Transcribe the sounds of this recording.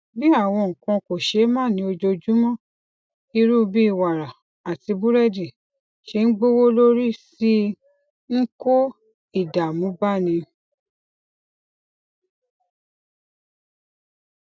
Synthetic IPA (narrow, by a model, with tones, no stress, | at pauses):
bi˦a˦˨w̃ɔ̃˧ŋ̩˨kã˧ko˨ʃe˨˦mãː˦˨nĩ˧˦o˧d͡ʒo˧d͡ʒu˦mɔ̃˦˨ | i˧ɾu˦˧bi˦i˦˨wa˨ɾa˨ | a˨ti˧bu˦ɾɛ˦di˨ | ʃe˧˦n̩˦ɡ͡bo˦wo˦lo˦ɾi˦si˦ | ŋ̩˦ko˦ | i˦˨da˨mũ˨˦ba˦˨nĩ˧